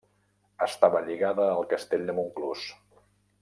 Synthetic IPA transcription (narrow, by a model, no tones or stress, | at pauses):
əst̪aβəʎiɣaðəːlˠkəst̪eʎʲd̪əmuŋklus